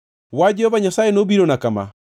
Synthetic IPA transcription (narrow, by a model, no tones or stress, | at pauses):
wad͡ʒɛɔβaɲasaenobiɾɔnakama̰